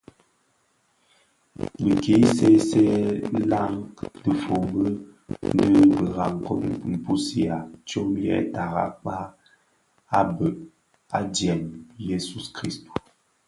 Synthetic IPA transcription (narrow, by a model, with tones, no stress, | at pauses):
bə˨ke˨˦se˦sɛ˦la˦ŋdə˨fo˨bə˦ | nə˦bə˨ɣa˨ŋ˨ko˦m̩˨pu˦si˨a˨t͡ʃo˦mjɛ̰˦˨ta˨ɣa̰˨k͡pa˦ | a˦bə˨ʔ | a̰˦djɛ˨mje˦su˦skɾi˦sto̥˨